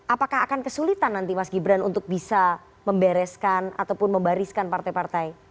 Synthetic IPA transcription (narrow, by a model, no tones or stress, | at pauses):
ʔapakahɦakankəsulit̪anːant̪imasɡibɾanunt̪ʊk̚bisa | məmbɛɾɛskana̰t̪awpʊnməmbaɾiskanpart̪ajpart̪aj